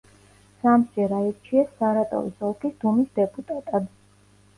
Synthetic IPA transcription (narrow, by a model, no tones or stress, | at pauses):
samd͡ʒɛɾaɛɾt͡ʃʰiɛsːaɾat̪ʼɔ̰visɔlˠkʰisd̪umisd̪ɛpʼut̪ʼat̪ʼad̪